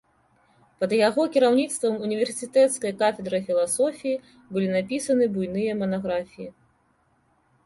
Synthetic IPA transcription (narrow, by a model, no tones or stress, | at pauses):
pɐd̪jaɣɔkʲiɾawnʲit̪st̪vɐmunʲivʲɛrsʲɨt̪ɛt̪skɐjɐkafʲɛd̪ɾɐfʲilˠasɔfʲiji | bɨlʲinapʲisɐnɨbujnɨjɐmɐnaɣɾafʲiji